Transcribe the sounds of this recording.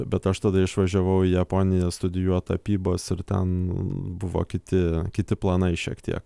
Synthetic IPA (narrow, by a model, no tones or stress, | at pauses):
bʲɛt̪ɐʃt̪ɐd̪ɐɪʃʋɐʒʲɛʋɐʊiːjɛpoːnʲɪjɛst̪ʊd̪ʲɪjuɔt̪ɐpʲiːboːsɪɾt̪ʲɛ̰nbʊʋo̰ːkʲɪt̪ʲɪkʲɪt̪ʲɪplˠɑnɐɪʃʲiɛkt̪ʲḭɛk